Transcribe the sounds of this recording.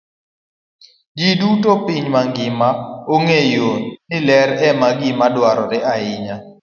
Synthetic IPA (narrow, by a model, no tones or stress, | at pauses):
d͡ʒidutopiɲmaŋɡɪmaoŋejonnɪlɛɾɛmaɡɪmadwaɾɔɾɪʔaɪɲa